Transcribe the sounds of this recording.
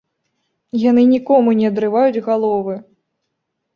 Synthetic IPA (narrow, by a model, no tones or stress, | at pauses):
janɨnʲikɔmunʲɛɐd̪ɾɨvajud͡zʲɣalˠɔvɨ